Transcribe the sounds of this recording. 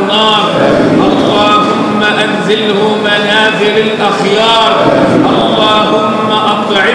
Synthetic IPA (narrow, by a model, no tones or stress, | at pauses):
ɑːɾˤʔɑlːɑːhʊmːaʔanzalhʊmanaːðɪɾalʔaxjɑːɾˤʔɑlˤːɑːɦʊmːaʔɑt̪ˤʕɪ